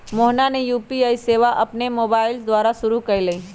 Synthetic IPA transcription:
moːɦnanejuːpiaːiseːʋaʔɐpnemoːbaːɪld̪waːɾaʃʊɾukɐileiː

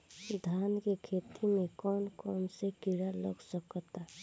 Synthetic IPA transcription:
d̪ʱaːnkekʰet̪ʰimẽkɔːnkɔmsekiɾaləɡsəkt̪a

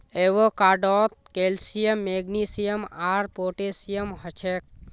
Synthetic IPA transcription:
eʋokaːɖɔt̪̚kelsijəmːeɡnisijəmaɾpoʈesijəmhət͡ʃʰek̚

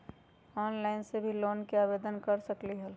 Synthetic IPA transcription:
ɔːnlaɪnsebʱiloːnkeaːbeːd̪ənkəɾsəkliɦəl

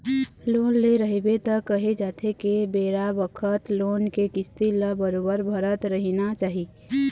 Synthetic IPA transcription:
loːnleɾəɦebet̪əkəɦed͡ʒaːt̪ʰekebeːɾabəkʰət̪loːnkekɪst̪iləbəɾobəɾbʱəɾət̪ɾəɦinat͡ʃaːɦi

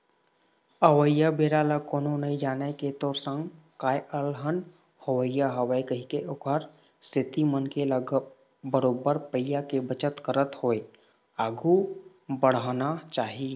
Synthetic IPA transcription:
əʋəjːabeːɾaːlakoːnõnɐɦĩd͡ʒaːneket̪oːɾsə̃ŋɡ | kaːjʔəlɦən | həwəjaɦəwjkəɦikeʔʊkʰəɾ | sɪt̪imənkeləɡ | bəɾoːbəɾpəɪjakebət͡ʃət̪kəɾət̪hoːe | aːɡu | bəɽ̤anat͡ʃaːɦie

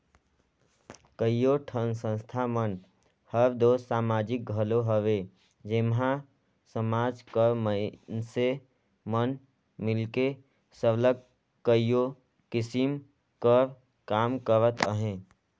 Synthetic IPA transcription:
kəijoʈʰənsə̃nst̪ʰamən | həɾd̪osaːmad͡ʒɪk̚ɡʱəloɦəʋe | d͡ʒemɦã | səmaːd͡ʒkəɾmənse | mən | mɪlke | səbləɡ̚ | kəijo | kɪsim | kəɾ | kaːmkəɾət̪əɦẽ

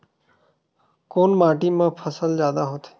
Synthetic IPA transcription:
koːnmaːʈimãpʰəsəlzjaːd̪aɦoːt̪e̥

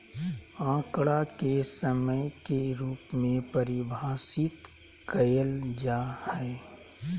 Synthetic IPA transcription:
ãːkɽakesəməjkeɾuːpmẽpəɾɪbʱaːsɪt̪ | kəjəld͡ʒaːhɛː

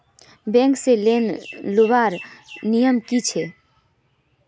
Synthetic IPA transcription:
bɛ̃ŋkselenlobaɾnijəmkit͡ʃʰe

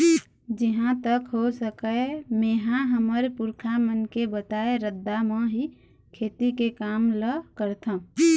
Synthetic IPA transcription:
d͡ʒɪɦãt̪əkɦosəkəemeːɦãɦəməɾpʊɾkʰamənkebət̪aːeɾəd̪ːamə̃ɦi | kʰeːt̪ikekaːmləkəɾt̪ʰã

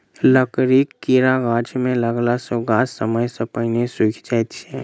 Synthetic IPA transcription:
ləkɾiːkːiɾaɡaːd͡ʒmẽləɡlasoɡaːsəməjsəpəjnesʊkʰd͡ʒat̪t͡ʃɛ̃

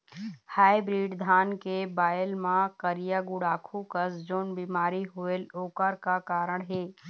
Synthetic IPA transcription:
haːibɾiːɖd̪ʱaːnkebaːjəlmãkəɾɪjaɡuɽaːkʰukəsd͡ʒoːnbiːmaːɾiɦoeloːkəɾkakaːɾəɽɦeː

